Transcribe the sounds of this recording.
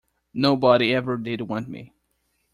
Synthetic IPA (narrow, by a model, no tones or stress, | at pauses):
noʊbɑɾiɛvə˞dɪd̚wʌ̃nmḭ